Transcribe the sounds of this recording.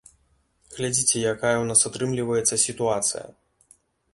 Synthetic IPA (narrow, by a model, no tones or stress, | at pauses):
ɣlʲad͡zʲit͡sʲɛjakajɐwnasat̪ɾɨmlʲivɐjɛt̪sːɐsʲit̪uat̪sɨ̰jɐ̰